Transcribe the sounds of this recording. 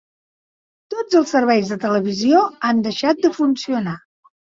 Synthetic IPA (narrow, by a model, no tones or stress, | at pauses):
t̪od͡zəlˠsəɾβɛjzðət̪ələβ̞izioand̪əʃat̪̚d̪əfunsiuna